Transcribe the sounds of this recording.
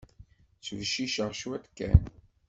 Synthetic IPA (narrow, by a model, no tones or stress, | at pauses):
t͡sːvʃiʃəʁʃwæt̪kːæ̰n